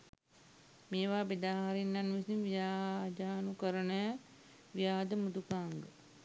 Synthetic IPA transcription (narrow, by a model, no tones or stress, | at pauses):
meːʋaːbed̪aːɦaɾinːanʋisinʋijaːɦd͡ʒaːnukəɾənəj | ʋijaːd̪əmud̪ukaːŋɡə